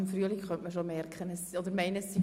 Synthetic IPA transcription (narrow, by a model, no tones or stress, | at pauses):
mfryəlikχœnʔməʃomɛrkχənəsɔd̪əɾmɛɪnəsːi